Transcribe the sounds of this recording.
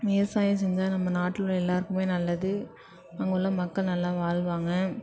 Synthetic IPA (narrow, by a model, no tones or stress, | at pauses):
meːsaːjɐ̃s̬ɛɲd͡ʒaːnɐmːɐnaːʈːɯlʊ̃ɛlːaːɾɯkɯmeːnɐlːɐðɯ | ɐŋɡɐɯlːɐmɐkːɐɭnɐlːaːʋaːlʋaːŋɡɐ